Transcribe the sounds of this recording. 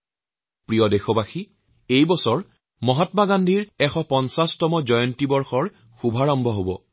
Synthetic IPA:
pɹijɔdexɔbaxi | ejbɔsɔɹ | mɔɦatmaɡandʱiɹɛxɔpɔnsastɔmɔd͡ʒɔjɔntibɔɹxɔɹ | xubʱaɹɔmbʱɔɦobɔ

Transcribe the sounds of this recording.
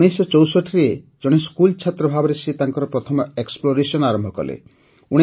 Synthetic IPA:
ɽ̃esɔt͡ʃɔwsɔʈʰiɾe | d͡ʒɔɽ̃eskult͡ʃʰat̪ɾɔbʱabɔɾesʰit̪aŋkɔɾɔpɾɔt̪ʰɔmɔeksploɾesɔnaɾɔmbʱɔkɔ̰lḛ | uɽ̃e

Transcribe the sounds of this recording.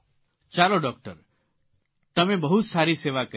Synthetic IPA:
t͡ʃaːɾoɖɔːk̚ʈəɾ | t̪ɐmẽbɐɦut̪saːɾiseːʋakə

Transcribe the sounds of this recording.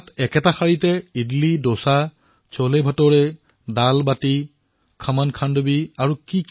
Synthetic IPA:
tɛkɛtaxaɹitɛidlidosa | t͡ʃɔlebʱɔtɔɹɛ | dalbati | kʰəmankʰandobiaɹukik

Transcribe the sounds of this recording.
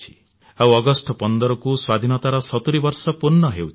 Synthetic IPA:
i̥ | awɔɡɔsʈɔpɔnd̪ɔɾɔkuswad̪ʱinɔt̪aɾɔsɔt̪uɾibɔɾsɔpunːɔɦew

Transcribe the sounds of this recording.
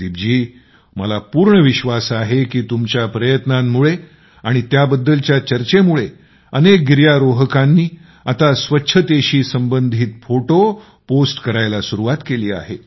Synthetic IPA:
d̪ibd͡ʑiː | məlapuːɾɳəʋiɕʋasaɦekiːt̪umt͡ɕjapɾəjət̪namːuɭe | aɽ̃it̪jabəd̪ːəlt͡ɕjat͡ɕəɾt͡ɕemuɭe | ənek̚ɡiɾjaɾoɦəkãnːiː | at̪asʋətːɕʰət̪eɕiːsəmbənd̪ʱiːt̪foʈo | posʈkəɾajlasuɾuʋat̪keliːa̰ɦe

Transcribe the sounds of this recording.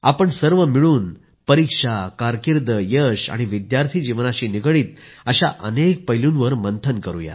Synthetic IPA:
a̰pəɳsəɾʋəmiɭuːn | pəɾikʂakaɾkiɾd̪əjəʂa̰ɽ̃iʋid̪jaɾt̪ʰiːd͡ʑiʋnaɕiːniɡɭiːt̪̚əɕaʔə̰nek̚pəɦjlũnʋəɾmənt̪ʰənkəɾṵja̰

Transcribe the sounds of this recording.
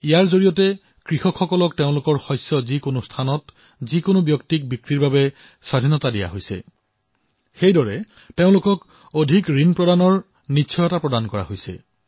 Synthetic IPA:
ijaɹzoɹijɔtɛ | kɹixɔkxɔkɔlɔk̚teʊ̃lʊkɔɹxɔjsːɔzikonostʰanɔt | zikonobjɔktik̚bikɹiɹbabɛ | swadʱinɔtadija̰ɦojsɛ̰ | xejdɔɹɛ | teʊ̃lʊkɔk | odʱikɹinpɹɔdanɔɹ | nitːsʰɔjɔtapɹɔdankɔɹa̰ɦojsɛ̰

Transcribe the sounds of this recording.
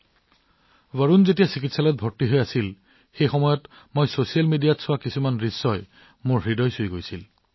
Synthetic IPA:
vəɹunzetijasik̬itsalɔt̚bʱɔɹtiɦojasil | xejxɔmɔjɔt | mojsosialmedijatsʊwakisumanɹisːɔj | mʊɹɦɹidɔjsujɡojsil

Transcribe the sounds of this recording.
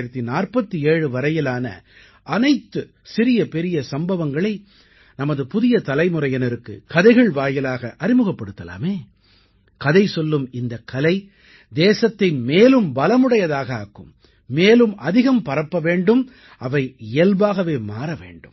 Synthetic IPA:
ɪɾɐt̪ːinaːrpɐt̪ːieːɻɯʋɐɾɐjɪlaːnɐ̰ | ʔɐnɐɪt̪ːɯ | sɪɾɪjɐpɛɾɪjɐsɐmbɐʋɐŋɡɐɭɐɪ | nɐmɐðɯpʊðɪjɐt̪ɐlɐɪmɯɾɐjɐnɪɾɯkːɯ̰kɐðɐɪɣɐɭʋaːjɪlaːɣɐʔɐɾɪmɯɣɐpːɐɽɯt̪ːɐla̰ːmeː | kɐðɐɪsɔlːɯmɪnd̪ɐkːɐlɐɪ | d̪eːsɐt̪ːɐɪmeːlɯmbɐlɐmɯɽɐjɐðaːɣɐaːkːɯ̰mː | eːlɯmʔɐðɪɣɐmpɐɾɐpːɐʋeːɳɖɯm | ɐʋɐɪɪjɐlbaːɣɐʋeːmaːɾɐʋḛːɳɖɯm

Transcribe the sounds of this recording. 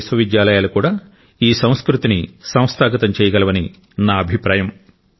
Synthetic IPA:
sʋɐʋid̪jaːlɐjaːlukuːɽaː | iːsɐ̃w̃skɾut̪inisɐ̃w̃st̪ʰaːɡɐt̪ɐmt͡ʃɛːjɐɡɐlɐʋɐni | naːɐbʱipɾaːjɐm

